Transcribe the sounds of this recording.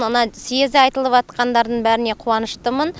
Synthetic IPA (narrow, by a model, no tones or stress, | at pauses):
mənɑsiezd̪ɪɑjt̪əlˠəpʒɑt̪qɑnd̪ɑɾd̪əɴbæɾɪne̞qʰuɑnəʃt̪əmən